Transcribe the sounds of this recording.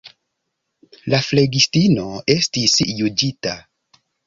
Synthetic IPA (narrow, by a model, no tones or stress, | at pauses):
lafle̞ɡistino̞e̞stisjud͡ʒita